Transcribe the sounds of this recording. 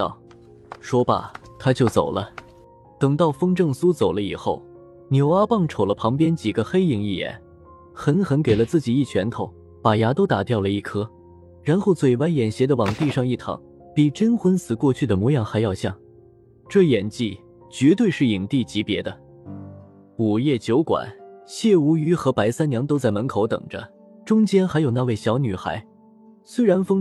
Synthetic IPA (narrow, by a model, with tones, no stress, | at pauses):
t̪ɑ˥˩ʊ | ʂwɔ˥bɐ̰˨t̪ʰa˥t͡ɕjo˥˩ʊt͡so̰˨˩ʊlə˦ | t̪ɤ˨˩ŋt̪ɑ˥˩ʊfɤ˥ŋʈ͡ʂɤ˥˩ŋsu˥t͡so˨˩ʊlə˦i˨˩xo˥˩ʊ | njo˧˩ʊa˥pɑ˥˩ŋʈ͡ʂʰo˨˩ʊlə˦pʰɑ˧˥ŋpjɛ˥nt͡ɕi˨˩ɡə˦xe˥ɪi˧˩˥ŋi˥˩jɛ̰˨˧˩n | xə˧˥nxə˧˥nke˨˩ɪlə˦t͡sɹ̩˥˩t͡ɕi˨˩i˥˩t͡ɕʰɥɛ˧˥nt̪ʰo˧˥˦ʊ | pa˨˩ja˧˥t̪o˥ʊt̪a˨˩t̪jɑ˥˩ʊlə˩i˥˩kʰɤ˥ | ɻa˧˥nxo˥˩ʊt͡swe˨˩ɪwa˧˥njɛ˨˩nɕjɛ˧˥d̪ə˧wɑ˨˩ŋt̪i˥˧ʂɑ˥˧ŋi˥˩t̪ʰɑ̰˧˥ŋ | pi˨˩ʈ͡ʂə˥nxwə˥nsɹ̩˨˩kwɔ˥˧t͡ɕʰy˥˩d̪ə˩mwɔ˧˥jɑ˨˩ŋxa˧˥ɪjɑ˥˧ʊɕjɑ̰˥˩ŋ | ʈ͡ʂɤ˥˩jɛ˨˩nt͡ɕi˥˩ | t͡ɕɥɛ˧˥t̪̬we˥˧ɪʂɻ̩˥˩i˨˩ŋt̪i˥˩t͡ɕi˧˥pjɛ˧˥d̪ə˧ | u˨˩jɛ˥˩t͡ɕjo˧˥ʊkwa̰˨˩˦nɕjɛ˥˩u˧˥y˧˥xɤ˧˥pa˧˥ɪsa˥nnjɑ˧˥ŋt̪o˥ʊt͡sa˥˩ɪmə˧˥nkʰo˧˥ʊt̪ɤ̰˨˩ŋʈ͡ʂə̰˦ | ʈ͡ʂʊ˥ŋt͡ɕjɛ˥nxa˧˥ɪjo˨˩na˥˧we˥˩ɪɕjɑ˧˥ʊny˨˩xa̰˧˥ɪ | swe˥ɪɻa˧˥nfɤ˥ŋ